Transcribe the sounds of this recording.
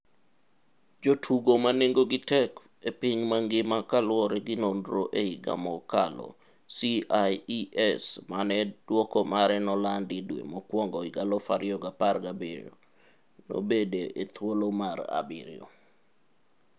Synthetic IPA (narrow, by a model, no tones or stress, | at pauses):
d͡ʒotʰuɡomaneŋɡoɡɪtɛk | epiɲmaŋɡɪmakalwɔɾɛɡɪnondɾoʔeɪɡa̰mɔkalɔ̰ | siajiʔɛsmanɛd̥wɔkɔmaɾɛnɔlandɪdwḛmokwɔŋɡɔɪɡalɔfa̰ɾɪɔɡaparɡabiɾo̰ | no̰bedeʔet̪wolomaɾa̰bɪ̰ɾɪ̰o̰